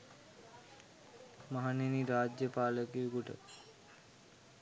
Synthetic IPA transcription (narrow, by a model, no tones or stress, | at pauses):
maɦaneniɾaːd͡ʒjəpaːləkijukuʈə̰